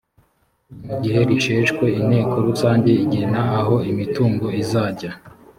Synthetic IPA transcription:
muɟiɦe̞ɾiʃeːʃkwe̞ine̞ːkʰoɾusaːɲɟe̞iɟenaːɦo̞imituːŋɡo̞izaːɟa

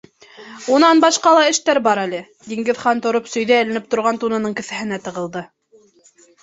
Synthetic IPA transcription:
unɑnbɑʃqɑlˠɑɘ̆ʃt̪æɾbɑɾælɘ | d̪iŋɡɘðχɑnt̪ŏɾopsɵ̆jðæɘ̆lɘ̆nɘp̚t̪ŏɾʁɑnt̪unɤ̆nɤɴkɘ̆θæ̆ɦɘ̆næt̪ɤ̆ʁɤ̆lˠd̪ɤ

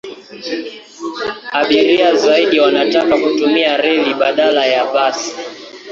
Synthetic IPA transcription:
aɓiɾiazaiɗiwanatakakutumiaɾɛliɓaɗalajapasi̥

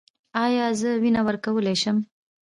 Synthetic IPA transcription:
ɑjɑzəwinawəɾkawəleʃəm

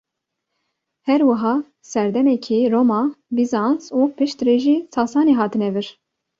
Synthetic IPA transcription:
hɛɾwɨɦɑː | sɛɾd̪ɛmɛkʰiɾoːmɑbizɑnzupɨʃt̪reːʒiːsɑːsɑːneɦɑːt̪ɨnɛvɨɾ

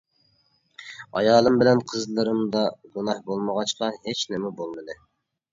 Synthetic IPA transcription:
ɑjɑːlˠɨmbɪlɛnqʰəzlˠɨɾɨmd̪ɑɡunɑhbolˠməʁɑt͡ʃqɑhet͡ʃnɪmɛbolˠmɨd̪ɨ

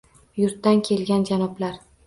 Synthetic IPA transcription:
jʊɾt̪ːankʲʰe̞lɡʲand͡ʒanɒblaɾ

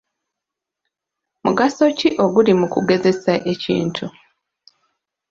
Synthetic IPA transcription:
muɡaso̞ciʔo̞ɡulimukuɡe̞ze̞saʔe̞cḭːntʰu

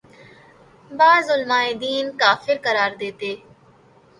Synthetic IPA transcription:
baːzʊlmaːɪd̪iːnkaːfɪɾkəɾaːɾd̪eːt̪eː

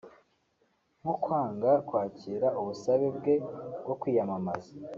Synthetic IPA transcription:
m̥ukwaːŋɡakwaːciːɾaʔuβusaβebɡe̞ɡwo̞kwiːjamamazḁ

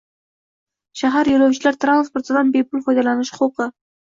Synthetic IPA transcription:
ʃaɦaɾjolowt͡ʃɪlæɾt̪ɾanspoɾt̪əd̪ɑnbejpulˠfɑjd̪ɑlˠɑnɪʃχqʰuqə

